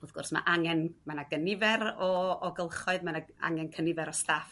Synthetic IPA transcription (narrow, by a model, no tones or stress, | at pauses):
uːðɡʊrsma̰ʔaŋɛnmanaɡənɪvɛɾɔːɡəlˠχɔɨðmanaa̰ŋɛnkʰənɪvɛɾɔstaːf